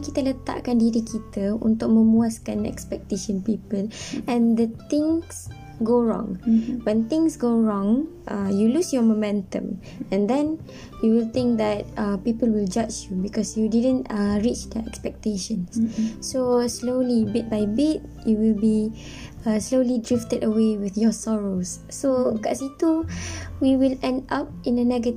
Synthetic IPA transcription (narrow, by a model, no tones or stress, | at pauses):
kit̪ələt̪a̰ʔkãndiɾikit̪əṵ̃nt̪ʊk̚mə̃muaskãnɛ̰kspɛk̚t̪eʃə̃npipəlɛ̃nd̪ət̪ĩŋs | ɡoɹɔ̰̃ŋwɛ̃nt̪ĩŋsɡoɹɔ̃ŋ | ʔajulusjɔmomɛ̃ntə̰̃m | ɛ̃nd̪ɛ̃n | juwilt̪ĩŋk̚d̪ɛt̚apipəlwild͡ʒat͡ʃjubikɔsjudidə̃ntɹit͡ʃd̪ɛɛ̰kspɛk̚teʃə̃nssoslolibit̚bajbit̚ | juwilbi | ʌslolidɹiftədəwewiθjɔsɔɹosːoɡa̰situwiwilɛ̃ndap̚ĩnənɛɡət